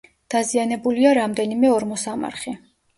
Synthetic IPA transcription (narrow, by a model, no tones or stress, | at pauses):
d̪̥azianɛbuliaɾamd̪ɛnimɛɔɾmɔsama̰ɾχi